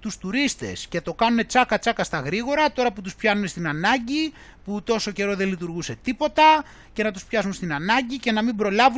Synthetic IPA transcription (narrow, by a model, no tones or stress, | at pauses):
t̪ust̪uɾist̪e̞̰sce̞t̪o̞kɐnune̞t͡sɐkɐt͡sɐkɐst̪ɐɣɾiɣo̞ɾɐt̪o̞ɾɐput̪uspçɐnune̞st̪inɐnɐɲɟi | put̪o̞so̞ce̞ɾo̞ðe̞lit̪uɾɣuse̞t̪ipo̞t̪ɐ | ce̞nɐt̪uspçɐsunst̪inɐnɐɲɟice̞nɐmimbɾo̞lɐvu